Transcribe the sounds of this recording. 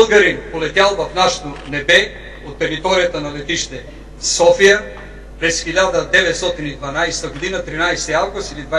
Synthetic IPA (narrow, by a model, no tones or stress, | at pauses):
lˠɡɐɾimpolɛt̪jalˠvɐfnaʃɐ̥t̪onɛbɛ | ot̪ːɛɾit̪ɔɾijət̪ənɐlɛt̪iʃt̪ɛ | sɔfijə | pɾɛsxiʎʲad̪əd̪ɛvɛt̪st̪ɔt̪inid̪vɐnajsɛ̥t̪ɐɡod̪inət̪ɾinajsɛ̥t̪iavɡust̪ilid̪va